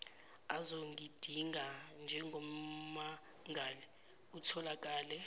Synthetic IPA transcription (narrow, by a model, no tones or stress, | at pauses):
azoŋid̥ʱiŋand͡ʒʱɛŋʱɔma | ŋʱali | utʰɔlak̬ʼaːlɛ